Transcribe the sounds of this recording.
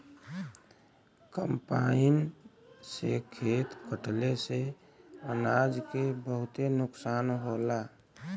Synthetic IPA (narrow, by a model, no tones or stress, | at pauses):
kəmpaɪn | sekʰet̪kəʈlese | ənad͡ʒkebəɦʊt̪enʊksaːnɦola